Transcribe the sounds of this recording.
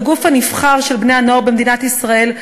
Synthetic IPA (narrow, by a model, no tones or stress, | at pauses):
ɡufhanifχaʁʃelbne̞janoʁbemd̪inat̪isʁae̞l